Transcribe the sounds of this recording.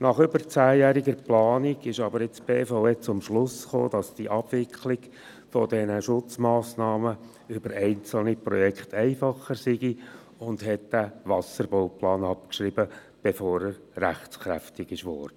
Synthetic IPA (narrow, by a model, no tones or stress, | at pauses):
nɑχʏbəɾt͡sæːjæːɾiɡəɾplɑːnɪɡ̥ɪʃɑbəɾɪt͡sb̥eːfaʊet͡sʊmʃlʊsχo̰ːd̥ɑsd̥iʔɑb̥ʋɪkχlɪɡ̥ | fɔdɛnəʃʊt͡smɑːsnɑːmə | ʏbəɾɛɪnt͡sl̩nipɾɔ̰jɛkχt̪ʰɛɪfɑχəɾsɪɡi | ʊndɦɛtd̥æʋɑsəɾbɔʊplɑːnɑp̚kʃɾibə | b̥efɔːɾəɾ | ɾæχt͡skɾæ̰ftɪɡɪʃʋɔ̰ːrd̥ə